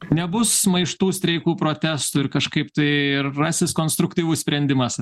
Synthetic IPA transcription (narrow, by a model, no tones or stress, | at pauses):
nʲɛbʊsmɐɪʃt̪uːsʲt̪ʲɾʲɛɪkuːpɾoːt̪ʲæst̪ʊɪɾkɐʃkɐɪpt̪ɐɪɪrːɑsʲɪskoːnst̪ɾʊkt̪ʲiːʋʊssʲpʲɾʲɛnʲd̪ʲɪmɐs